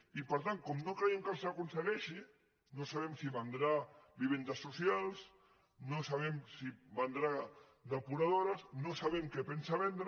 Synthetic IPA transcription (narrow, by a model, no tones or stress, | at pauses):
ipɐɾt̪aŋkomnokɾeeŋkalˠsakunseɣɛʃi | nosaβemsiβand̪ɾabiβend̪asːusjalˠs | nosaβ̞ɛmsiband̪ɾa | d̪apuɾaðoɾasnosaβemkepensaβend̪ɾ